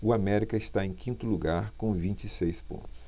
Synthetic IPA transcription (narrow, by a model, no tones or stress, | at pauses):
ʊamɛɾikɐɪst̪aẽj̃kĩnt̪ʊluɡaɾkõvĩnt͡ʃisejspõ̰nt̪ʊ̥s